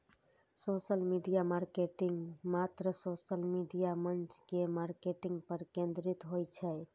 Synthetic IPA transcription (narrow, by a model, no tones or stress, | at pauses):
sosəlmiɖijamaɾkeʈiŋɡmat̪ɾəsosəlmiɖijamənt͡ʃkemaɾkeʈiŋɡpəɾkẽnd̪ɾit̪ɦojt͡ʃʰɛ